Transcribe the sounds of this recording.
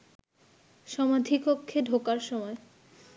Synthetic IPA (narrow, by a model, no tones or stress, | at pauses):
ʃɔmad̪ʱikokʰːeɖʱokaɾʃɔmɔe